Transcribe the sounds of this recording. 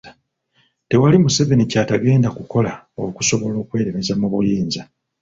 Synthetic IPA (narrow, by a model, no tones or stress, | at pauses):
te̞walimuse̞ve̞nicaːtaɡe̞ːndakuko̞la | o̞ku̥so̞βo̞lo̞ːkwe̞ːɾeme̞zamuβujiːnza